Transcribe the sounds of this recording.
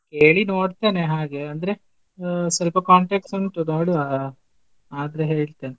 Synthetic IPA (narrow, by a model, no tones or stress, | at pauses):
keːɭinoːɖt̪eːneɦaːɡe̞ɐnd̪ɐɾe̞ | sɐlpɐkaːɳʈeksɐnʈunoːɽia | aːd̪ɐɾeɦeːɭt̪eːne